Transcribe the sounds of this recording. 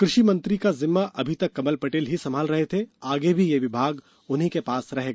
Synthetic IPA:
kɾɪʃimɐ̃nt̪ɾikazɪmːaʔɐbʱit̪ɐkːɐməlpɐʈeːlɦisɐmʱaːlɾɐɦet̪ʰeaːɡebʱijeʋɪbʱaːɡ | ʊnɦikepaːsɾɐɦeːɡaː

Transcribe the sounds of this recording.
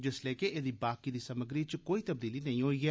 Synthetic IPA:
d͡ʒɪsleːkeed̪iːbaːkid̪iːsəməɡɾiːt͡ʃkoːiːt̪əbd̪iːlinɐɦĩɦoːiːɛː

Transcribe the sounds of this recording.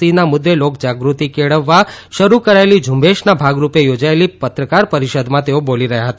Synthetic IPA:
inamʊd̪ːelokd͡ʒaɡɾut̪ikeɭəʋːaʃəɾukəɾaelid͡ʒʱũmbeʃnabʱaɡɾupejod͡ʒaelipət̪ɾəkaɾpəɾiʃəd̪mãt̪eoboliɾəɦjaɦət̪a

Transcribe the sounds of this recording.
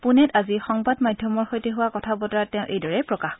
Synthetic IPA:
punɛtazixɔŋbadmadʱjɔmɔɹxojteɦʊwakɔtʰabɔtatɛʊ̃ʔejdɔɹɛpɹɔkax

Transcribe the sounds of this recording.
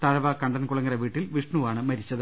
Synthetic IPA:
t̪ɐɻɐʋɐkɐɳɖɐnkuɭɐŋːɡɐɾɐʋiːʈːilʋiʂɳuʋaːɳɨmɐɾit͡ɕːɐðɨ

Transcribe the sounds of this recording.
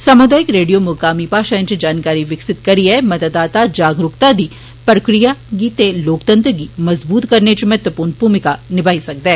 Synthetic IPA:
sɐmʊd̪aːjɪkɾeːɖijomʊːkaːmipaːʃaə̃nt͡ʃd͡ʒaːnkaːɾiʋɪksɪt̪kɐɾiɦɛmɐt̪əd̪aːt̪ad͡ʒaːɡɾʊkt̪ad̪iː | pɾɐkɾijaɡit̪eloːkt̪ə̃nt̪ɾɡimɐzbuːt̪kɐɾnet͡ʃmɐɦət̪ʋəpuːɾnbʱuːmɪkanɪbʱaːisɐk̚d̪ɛː

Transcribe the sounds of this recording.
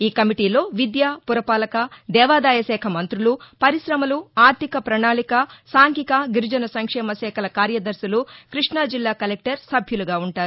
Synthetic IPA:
iːkɐmiʈiːlo̞ːʋid̪jaːpuɾɐpaːlɐkɐd̪ɛːʋaːd̪aːjɐsɛːkʰɐmɐnt̪ɾulupɐɾiʃɾɐmɐluaːɾt̪ikɐpɾɐɳaːlikɐsaːŋkikɐɡiɾud͡ʒɐnɐsɐŋkʂɛːmɐsɛːkʰɐlɐkaːɾjɐd̪ɐɾsɐlukɾiʂɳaːd͡ʒilːaːkɐlek̚ʈɐɾsɐbʱjuluɡaːuɳʈaːɾuu

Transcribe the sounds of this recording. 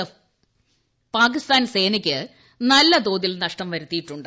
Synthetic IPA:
paːk̬ist̪aːnse̞ːnikʲːɨ | nɐlːɐd̪oːðilnɐʂʈɐmʋɐɾut̪ːijiʈːuɳɖɨ

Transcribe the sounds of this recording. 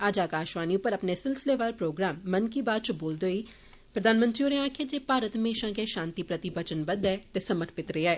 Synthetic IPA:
aːd͡ʒaːkaːʃʋaːniːʊpːəɾəpneːsɪlsɪleːʋaːlpɾoːɡɾaːmːənkiːbaːd̪̚t͡ʃəboːld̪oːiː | pɾəd̪aːnmə̃nt̪ɾiːoːɾeaːkʰeːd͡ʒeːpaːɾət̪mẽːʃãːkeːʃãːnt̪iːpɾət̪ibət͡ʃənbəd̪ɛːt̪eːsəməʈʰpɪt̪ɾeːɛː

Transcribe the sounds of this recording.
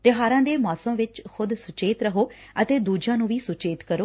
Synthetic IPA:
t̪ɪɦaːɾãːd̪eːmɔːsəmʋɪt͡ʃxʊd̪sʊt͡ʃeːt̪ɾəɦoːət̪eːd̪uːd͡ʒãːnũːʋiːsʊt͡ʃeːt̪kəɾoː

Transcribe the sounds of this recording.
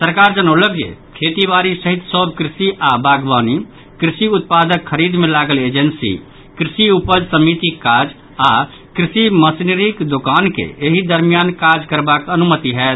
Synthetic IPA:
səɾkaɾd͡ʒənələkjḛkʰet̪ibaːɾisəɦit̪sɔbkɾɪsiʔabaɡʋaːni | kɾɪsiut̪̚pad̪əkʰːəɾid̪mẽlaɡəled͡ʒənsḭ | kɾɪsiupəd͡ʒsəmit̪ikːad͡ʒ | a | kɾɪsiməsniɾikd̪okaːnkḛeɦid̪əɾmijankad͡ʒkəɾbakənumət̪iɦɛːt̪

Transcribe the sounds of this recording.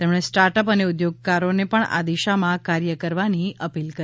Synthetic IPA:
t̪ɛmɽ̃esʈaɾʈəpəneʊd̪joɡ̚kaɾonepəɳa̰d̪iʃamãkaɾjəkəɾʋaniʔəpilkə

